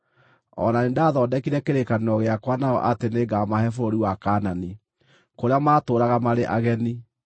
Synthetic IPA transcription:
ɔ̰nanendaːðɔːdɛkiɾɛkeɾekanɔɣeakwanaɔ̰ʔateneɡamahɛfoɾoɾiwakanani | koɾeamaːtoːɾaɣamaɾeʔaɣɛni

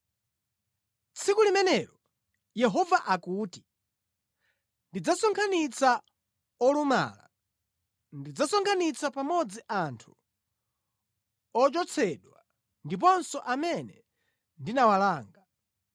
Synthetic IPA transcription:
t͡sʰikulimɛnɛɾɔ | jɛɦɔvaʔakuːti̥ | ndid͡zasɔŋkʰanit͡sa | ɔluma̰ːla̰ | ndid͡zasɔŋkʰanit͡sʰapamɔd͡ziʔantʰu̥ | ɔt͡ʃɔt͡sʰɛɗwa | ndip̬ɔnsɔʔamɛnɛ | ndinawalaːŋɡa

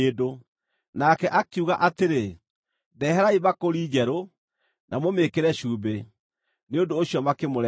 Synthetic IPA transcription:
edo | nakɛʔakuɣaʔateɾe | dɛɦɛɾaiβakoɾiːd͡ʑɛɾo | nʔamomekeɾɛɕuːbe | neondoːɕjɔmakemoɾɛ

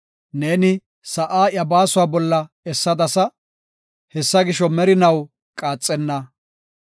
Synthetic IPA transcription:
ne̞ːnɪ | sɐʔaːjɐbaːsʊwaːbɔlːɐ | ɛsːɐd̪ɐsɐ | hɛsːɐɡɪʃɔmɛɾɪnɐw | kʼaːt͡sʼːɛnːɐ

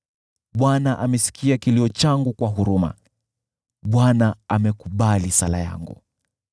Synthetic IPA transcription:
ɓwanaʔamɛsi̥kʰiakiliɔt͡ʃaŋɡukwaɦuɾuma̰ | ɓwanaamɛkuɓalisala̰ja̰ŋɡṵ

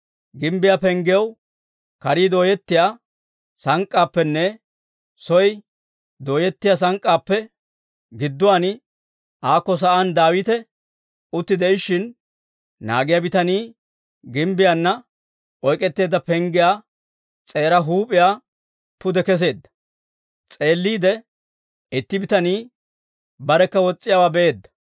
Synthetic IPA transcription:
ɡɪmbɪjaːpɛŋɡɪjɐw | kɐɾiːd̪oːjɛt̪ːɪjaː | sɐŋkʼːaːpːɛnːɛ | sɔj | d̪oːjɛt̪ːɪjaːs̬ɐŋkʼːaːpːɛ | ɡɪd̪ːʊwanɪ | ʔaːkːɔs̬ɐʔaːnd̪aːwɪt̪ɛ | ʊt̪ːɪd̪ɛʔɪʃɪn | na̰ːɡɪjabɪt̪ɐniː | ɡɪmbɪjanːɐ | ʔɔjkʼːɛt̪ːe̞ːd̪ːɐpɛŋɡɪjaː | t͡sʼe̞ːɾɐɦuːpʼɪjaː | pʊd̪ɛkɛs̬e̞ːd̪ːɐ̥ | t͡sʼe̞ːlːiːd̪ɛ | ɪt̪ːɪbɪt̪ɐniː | bɐɾɛkːɐwɔt͡sʼːɪjaːwaːbɛʔeːd̪ːɐ̥

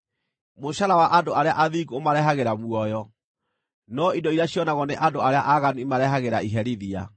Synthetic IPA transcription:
moɕaɾawaʔadoaɾeaʔaðiɡuomaɾɛɦaɣeɾamwɔjɔ | nɔidɔiɾaɕiɔnaɣɔneʔadoaɾeaʔaɣanuimaɾɛɦaɣeɾaiɦɛɾiðia̰

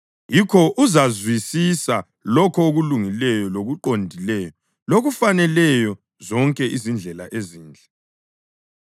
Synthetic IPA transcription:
jikʰɔʔuzazwisisa | lɔkʰɔoɣuluŋilɛjɔloɣuǃondʱilɛːjɔ | loɣufanɛlɛjɔ | zɔŋkʼɛʔizind͡ɮʱɛla̰ʔeziːnd͡ɮʱɛ

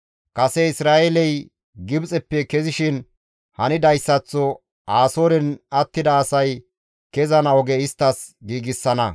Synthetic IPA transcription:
kʼɐsɛɪsɾaːʔelɛj | ɡɪbt͡sʼɛpːɛkɛzɪʃɪn | hɐnɪd̪ɐjsːɐt͡sːɔ | aːsoːɾɛnɐt̪ːɪd̪ɐːsɐj | kɛzɐnɐwɔɡɛɪst̪ːɐsɡiːɡɪsːɐnɐ

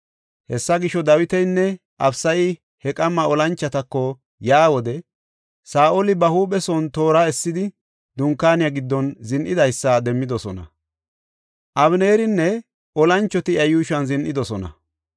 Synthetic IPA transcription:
hɛsːɐɡɪʃɔd̪ɐwɪt̪ɛjnːɛ | ʔɐbsɐjɪ | hɛkʼɐmːɐɔlɐnt͡ʃːɐt̪ɐkːɔ | jaːwɔd̪ɛ | saːʔolɪbɐhuːɓɛsɔnt̪o̞ːɾaːɛsːɪd̪ɪ | d̪ʊŋkːaːnɪjɐɡɪd̪ːɔnzɪnʔɪd̪ɐjsːɐd̪ɛmːɪd̪ɔsɔnɐ̰ | ʔɐbneːɾɪnːɛ | ʔɔlɐnt͡ʃːɔt̪ɪɐjuːʃɐnzɪnʔɪd̪ɔsɔnɐ̰

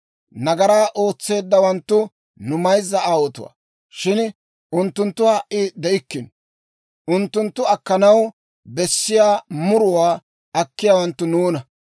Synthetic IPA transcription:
nɐɡɐɾaːʔo̞ːt͡sːe̞ːd̪ːɐwɐnt̪ːʊ | nʊmɐjzːɐaːwɔt̪ʊ̰wa̰ː | ʃɪn | ʔʊnt̪ːʊnt̪ːʊwaːʔɪd̪ɛʔɪkːɪn | ʔʊnt̪ːʊnt̪ːʊɐkːɐnɐw | bɛsːɪjaːmʊɾʊwaː | ɐkːɪjaːwɐnt̪ːʊnuːnɐ

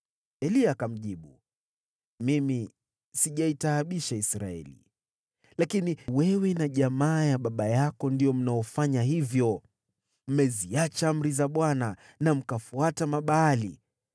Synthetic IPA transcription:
ɛliakam̩ʄiɓu | mimi | siʄaitaːɓiʃaisɾa̰ɛ̰lḭ | lakiniwɛwɛnaʄamaːjaɓaɓajakɔndijɔm̩naɔfaɲaɦivjɔ | m̩mɛziat͡ʃaam̩ɾizaɓwana | nam̩kafuatamaɓaːli

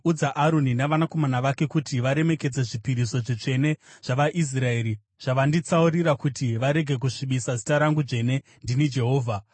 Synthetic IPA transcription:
ud͡zaʔaɾo̞ninaʋanako̞manaʋake̞kutiʋaɾe̞me̞ke̞d͡zeʐipiɾiso̞ʐit͡ʂe̞ne̞ʐ̥aʋaʔis̬rae̞ːɾi | ʐ̥aʋandit͡sauɾiɾakutiʋaɾe̞ɡʱe̞k̬uʂiɓisazitaɾaŋɡuʐe̞ne̞ | ndinid͡ʒe̞ɦo̞ːvʱa

